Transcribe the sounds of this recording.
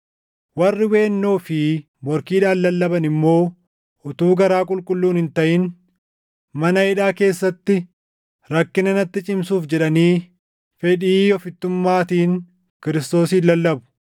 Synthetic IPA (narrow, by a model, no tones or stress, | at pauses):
wɐrːɪwe̞ːnːoːfɪ | mɔɾkiːᶑaːnːɐlːɐbɐnɪmːo̞ː | ʔʊt̪uːɡɐɾaːkʼʊlkʼʊlːuːnhɪnt̪ɐʔɪn | mɐnɐɪᶑaːke̞ːsːɐt̪ːɪ | ɾɐkːɪnɐnɐt̪ːɪt͡ʃʼɪmsuːfd͡ʒɛᶑɐniː | fɛᶑiːɔfɪt̪ːʊmːaːt̪iːn | kɪɾɪst̪o̞ːsiːlɐlːɐbʊ̥